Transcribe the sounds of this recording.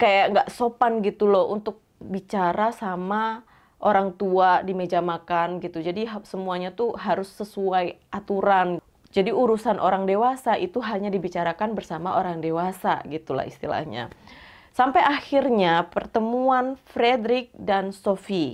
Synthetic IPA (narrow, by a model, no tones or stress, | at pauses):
kajaŋɡaʔsopanɡit̪ulɔunt̪ʊk̚bit͡ʃaɾasama | ʔoɾaŋt̪uadimed͡ʒamakanɡit̪ud͡ʒadiɦsəmuaɲat̪uɦaɾʊsːəsuajʔat̪uɾan | d͡ʒadiuɾusanʔoɾaŋdewasaʔit̪uɦaɲadibit͡ʃaɾakanbərsamaʔoɾaŋdewasa̰ɡit̪ula̰hḭst̪ila̰hɲa̰ | sampajaxirɲapərt̪əmuanfɾedɾɪk̚dansofi